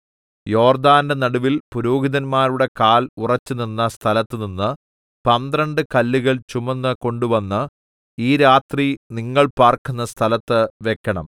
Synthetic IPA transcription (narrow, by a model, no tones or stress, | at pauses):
jo̞ːrd̪aːndenɐɽuʋilpuɾoːɡiðɐnmaːɾuɽe̞kaːlurɐt͡ɕːɨninːɐst̪ʰɐlɐt̪ːɨninːɨ | pɐnd̪rɐɳɖɨkɐlːiɣɐɭt͡ɕumɐnːɨko̞ɳɖuʋɐnːɨ | iːɾaːt̪riniŋːɐɭpaːrkunːɐst̪ʰɐlɐt̪ːɨʋekːɐɳɐm